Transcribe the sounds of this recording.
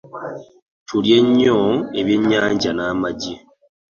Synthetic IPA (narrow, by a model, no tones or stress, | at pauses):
tʰuɾjeɲoeβjeɲaːɲɟanamaɟi